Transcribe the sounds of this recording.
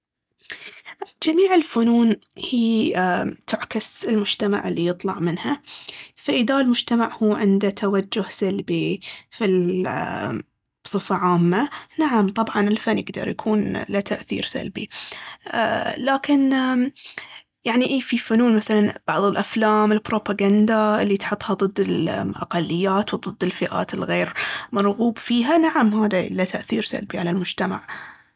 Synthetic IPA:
d͡ʒamiːʕɪlfʊnuːnhiː | t̪ʰʊʕkasɪlmʊd͡ʒt̪ama̰ʕɪlːijɨt̪ˤlɑ̰ʕmɪnhafaʔɪðalmʊd͡ʒt̪amaʕhuːʕɪnd̪at̪ʰawad͡ʒːʊhsalbifi | sˤɨfaʕaːmːanaʕamt̪ˤɑbʕɑnɪlfanːjɪɡd̪ɑ̰ɾˤjakʰuːnlat̪ʰaʔθḭːɾsa̰lbḭ | laːkɪn | jaʕniʔeːfifʊnuːnmaθalanb̥ɑʕðˤɪlʔaflaːmɪlbɾopaɡand̪aɪlːit̪ħʊt̪ˤːhɑd̪ˤɨd̪ːɪlʔa̰qɑlːɪjːaːt̪wd̪ˤɨd̪ːɪlfɪʔa̰ːt̪ɪlɣeːɾmɑɾˤɣuːbfiːɦanaʕamhaːða̰lat̪aʔθḭːɾsa̰lbiʕalalmʊd͡ʒt̪ama̰ʕ

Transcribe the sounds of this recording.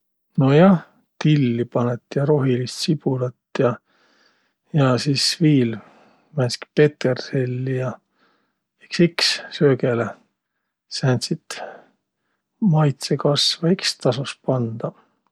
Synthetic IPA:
no̞jɑh | t̪ilʲːipɑnet̪ːˑjɑɾo̞ɦilist̪sib̥ulɑt̪ːjɑ | jɑsiːsviːl | mænʲski̥pe̞t̪erselːijɑ | iksikssøːkele | sænsit̪ | mɑjt̪sekɑsvɑikst̪ɑsuspɑnd̪̥ɑ

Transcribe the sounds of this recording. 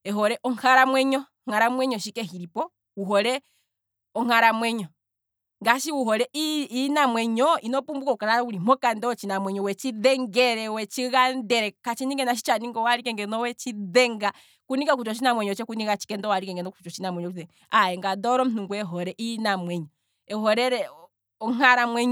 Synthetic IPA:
ɛɦɔɾɛʔɔŋhaɾamwɛɲɔ | ŋ̥aɾamwɛɲɔʃikɛɦiɾipɔ | wuɦɔɾɛ | ɔŋ̥aɾamwɛɲɔ | ŋɡaʃiwuɦɔɾɛʔiinamwɛɲɔinɔpumbukɔukaɾauɾimɔkandɛɔt͡ʃinamwɛɲɔwɛt͡ʃiðɛŋɡɛɾɛwɛt͡ʃiɣandɛɾɛkat͡ʃiniŋɡɛnaʃ̬i̥t͡ʃaniŋɡɔwaɾikɛŋɡɛnɔwɛt͡ʃiðɛŋɡa | kuniɡakut͡ʃɔt͡ʃinamwɛɲɔt͡ʃɛkuniɣat͡ʃi̥kɛndɔwaɾikɛŋɡɛnɔku̥t͡ʃɔt͡ʃinamwɛɲɔɛ | aɛŋɡadɔɾɔm̩n̥uŋɡuɛɦɔɾɛʔinamwɛɲɔ | ɛɦɔɾɛɾɛ | ɔŋaɾamwɛɲ

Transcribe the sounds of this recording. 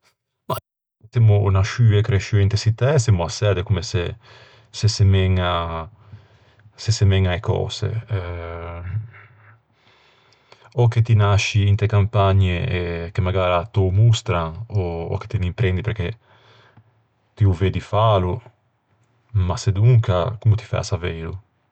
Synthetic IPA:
ma | semunaʃyvekɾeʃyent̪esit̪ɛsemuasɛd̪ekumese | sesemɛŋa | sesemɛŋaekɔ̰ːsḛɛ | oket̪inaʃiːnt̪ekampaɲːeɛkemaɡaːɾat̪omust̪ɾanɔ̰ːke̥t̪enimpɾɛnd̪ipeɾk̟e | t̪iuveːd̪ifaːlu | mased̪uŋkakumut̪i̥fɛ̰asaveːɾṵ

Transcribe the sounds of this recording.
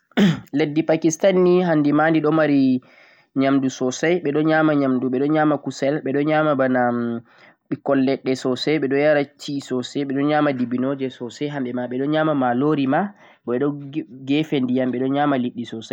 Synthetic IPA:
ledːipakistanːiɦandimandiɗɔmaɾi | ɲamdusɔsajɓɛɗɔnɲaːmaɲamduɓɛɗɔnɲaːmakusɛlɓɛɗɔɲaːmabana | ɓikɔlːɛɗːɛsɔsɛɓɛɗɔjaɾat͡ʃisɔsɛɓɛɗɔnɲaːmadibinɔd͡ʒɛsɔsɛjɦamɓɛmaɓɛɗɔnɲaːmamaloɾima | ɔɛɗɔɡɛfendijamɓɛɗɔɲamaliɗːisɔsaj

